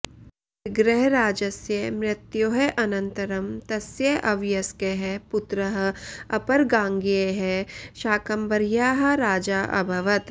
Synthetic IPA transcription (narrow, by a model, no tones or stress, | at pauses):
ɪɡɾeɦɾaːd͡ʒɐsjɐmɾɪt̪joɦeʔɐnɐ̃nt̪ɐɾɐmt̪ɐsjɐʔɐʋjɐskeɦepʊt̪ɾɐɦ̆ɐpɐɾɡãːŋɡieɦɛʃaːkɐmbɐɾjaːɦɐ̆ɾaːd͡ʒaːʔɐ̰bʱɐʋɐt̪